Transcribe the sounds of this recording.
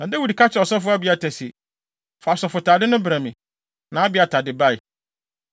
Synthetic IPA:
nã˨da˦wi˨dkʰa˦t͡ɕʰɪ˦ɔ˨sɔ˦fʊ˦a˦bi˨˦a˨tʰɛ˨si˨ | fa˨sɔ˨fʊ˨tʰaː˨dɪ˦nʊ̃˦bɾã˨mĩ˨ | nã˨˦a˦bɪ˨˦a˨tʰa˨dɪ˨ba˦˨j

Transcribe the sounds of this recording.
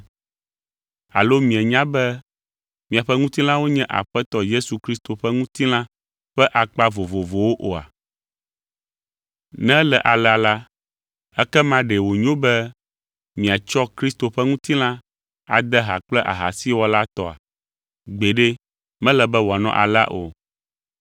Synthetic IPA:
a̰˨lo˦mĩ˨ɛ˨ɲã˦bɛ˦ | mĩ˨a˨ɸɛ˦ŋũ˦t̪i˦l̃ã˦wo˦ɲɛ̃˦ʔa̰˨ɸɛ˦t̪ɔ˦je˦su˨kɾi˦st̪o˨ɸɛ˦ŋũ˦t̪i˦l̃ã˦ | ɸɛ˦ʔa˨k͡pa˦vo˨vo˨vo˨wo˦ʔo˨a̰˨ | nɛ̃˦lɛ˨ʔa˨lɛ˨a˨la˦ | ɛ˦kɛ˦mã˦ɖɛ˨wo˨ɲõ˦bɛ˦ | mĩ˨a˨t͡ʃɔ˦kɾi˦st̪o˨ɸɛ˦ŋũ˦t̪i˦l̃ã˦ | a̰˨d̪ɛ˦ɦa˨k͡plɛ˦ʔa̰˨ɦa̰˨si˦wɔ˦la˦t̪ɔ˨a̰˨ | ɡ͡be˨ɖe˦ | mɛ̃˦lɛ˨bɛ˦wɔ˨a˨nɔ̰̃˦ʔa̰˨la̰˦ʔo̰˨

